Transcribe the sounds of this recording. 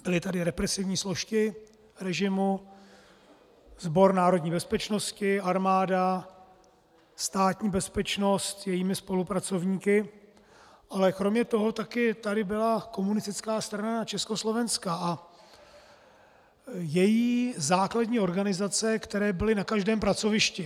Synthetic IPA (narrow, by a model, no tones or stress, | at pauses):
b̥ɪlɪt̪adɪɾɛpɾɛsɪvɲiːslo̞ʃkɪ | ɾɛʒɪmu | zbo̞ɾnaːɾo̞dɲiːbɛspɛt͡ʃno̞scɪaɾmaːda | st̪aːt̪ɲiːbɛspɛt͡ʃno̞st̪jɛjiːmɪspo̞lupɾat͡so̞vɲiːkɪ | ʔalɛkɾo̞mɲɛt̪o̞ɦo̞t̪akɪt̪adɪbɪlako̞munɪst̪ɪt͡skaːst̪ɾanaat͡ʃɛsko̞slo̞vɛnskaʔa | jɛjiːzaːkladɲiːo̞ɾɡanɪzat͡sɛkt̪ɛɾɛːbɪlɪnakaʒdɛːmpɾat͡so̞vɪʃcɪ